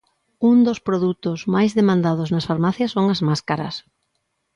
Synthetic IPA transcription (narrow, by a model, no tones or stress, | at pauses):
und̪ospɾoðut̪ʊzmajzðemãnd̪aðʊznɐsfaɾmaθjɐsːoŋɐzmaskaɾɐ̰s